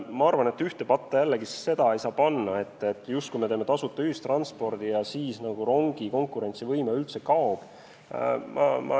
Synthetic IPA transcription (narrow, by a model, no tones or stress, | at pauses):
mɑɑrvɑne̞t̪ːˑyht̪e̞pɑt̪ːejælːeɡ̥isi̥sːe̞d̪̥ɑejsɑːpɑnːɑe̞t̪ːˑe̞t̪ːˑjust̪̚kujmet̪e̞ːme̞t̪ɑsut̪ːˑyist̪rɑnspo̞rd̪̥ijɑsiːsnɑɡ̥uro̞ŋɡ̥iko̞ŋkːˑuɾe̞nt̪sivɤjmeylt̪se̞kɑob̥ | mɑ̰mʔɑ̰